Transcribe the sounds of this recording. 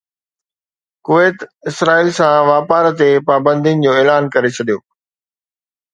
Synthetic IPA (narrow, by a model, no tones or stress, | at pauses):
kʊʋeːt̪ɪsɾaːiːlsãʋaːpaːɾt̪epaːbə̃nd̪ʱijənɪ̆d͡ʑoːeːlaːnkɐɾet͡ɕʰɐɗijoː